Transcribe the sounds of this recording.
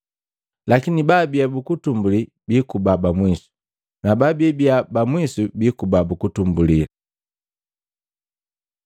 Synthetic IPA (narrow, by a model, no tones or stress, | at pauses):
lakinibabiabukutumbuli | bikubabamwisu̥ | nababɛbiabamwisubikubabukutumbulila